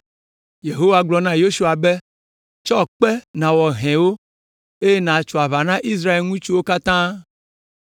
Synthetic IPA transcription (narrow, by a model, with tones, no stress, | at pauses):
je˨ɦo˦wa˨ɡ͡blɔ˨nã˦jo˦su˦a˨be˦ | t͡ʃɔ˦k͡pe˦nã˨wɔ˨ɦɛ̃˨wo˦ | e˦je˦nã˨t͡ʃɔ˨a˨βa˨nã˦ʔi˦s̬ɾa˦e˨lŋũ˦t͡ʃu˦wo˦ka˦t̪ã˦